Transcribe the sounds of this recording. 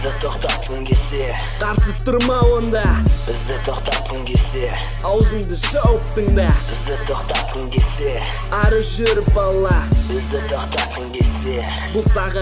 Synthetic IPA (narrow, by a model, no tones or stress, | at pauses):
d̪ɪt̪ʰo̞qt̪ɑt̪qəŋkʲʰese | qʰɑɾsəp̚t̪əɾmɑwo̞nd̪ɑbɪzd̪ɪt̪ʰoqt̪ɑt̪qəkʲʰese | ɑwzəɴd̪əʃəwəq̚t̪əɴd̪ɑbɪzd̪ɪt̪ʰoqt̪ɑt̪qəɴkʲʰese | ɑɾəʒøɾfbɑlˠːɑbɪzd̪ɪt̪ʰo̞qt̪ɑt̪qəŋkʲʰese | bʊlˠsɑʁɑ